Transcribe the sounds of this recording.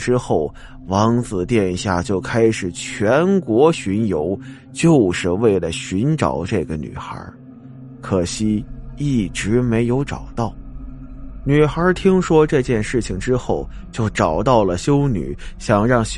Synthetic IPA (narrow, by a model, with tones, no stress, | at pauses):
ʈ͡ʂɻ̩˥xo˥˩ʊ | wɑ˧˥ŋt͡sɹ̩˨˩t̪jɛ˥˧nɕja̰˥˩t͡ɕjo˥˩ʊkʰa˥ɪʂɻ̩˨˩t͡ɕʰɥɛ˧˥nkwɔ˧˥ɕy˧˥njo˧˥ʊ | t͡ɕjo˥˧ʊʂɻ̩˥˧we˥˩ɪlə˩ɕy˧˥nʈ͡ʂɑ̰˨˩ʊʈ͡ʂɤ˥˩ɡə˩ny̰˨˩xə̰˞˧˥ | kʰɤ˨˩ɕi˥i˥˩ʈ͡ʂɻ̩˧˥me˧˥ɪjo˧˥ʊʈ͡ʂɑ˨˩ʊt̪ɑ˥˩ʊ | ny˨˩xə˞˧˥t̪ʰi˥ŋʂwɔ˥ʈ͡ʂɤ˥˧t͡ɕjɛ˥˧nʂɻ̩˥˩t͡ɕʰi˩ŋʈ͡ʂɻ̩˥xo˥˩ʊt͡ɕjo˥˩ʊʈ͡ʂɑ˨˩ʊt̪ɑ˥˩ʊlə˩ɕjo˥ʊny̰˨˩˦ɕjɑ˨˩ŋɻɑ˥˩ŋɕ